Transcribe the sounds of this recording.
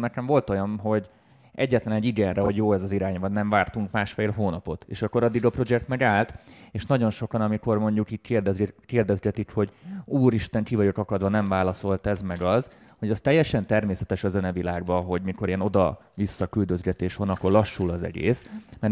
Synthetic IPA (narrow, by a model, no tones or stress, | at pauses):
nɛkɛɱvo̞lt̪o̞jɒnɦo̞ɟ | ɛ̰ɟːɛt̪lɛnɛɟiɡɛnrɛɦoɟjoːɛzɒziɾaːɲvɒnnɛɱvaːrt̪uŋkmaːʃfeːlɦoːnɒpo̞t̪ḛːʃɒkːo̞ɾɒd̪ːiɡɒpro̞d͡ʒɛkt̪mɛɡaːlt̪eːʃnɒɟo̞nʃo̞kɒnɒmiko̞rmo̞ɲɟukiːckːrd̪ɛzkeːrd̪ɛzɡɛt̪ikho̞ɟuːɾiʃt̪ɛŋkivɒɟo̞kɒkɒd̪ʋɒnɛɱvaːlɒso̞lt̪ɛzmɛɡɒz | ho̞ɟɒst̪ɛjːɛʃɛnt̪ɛrmeːsɛt̪ɛʃɒzønɛvilaːɡbɒɦo̞ɟmiko̞ɾeno̞d̪ɒ | visːɒkyld̪ø̞zɡɛt̪eːʃhonɒkːo̞rlɒʃːulɒzɛ̰ɡḛːsmɛr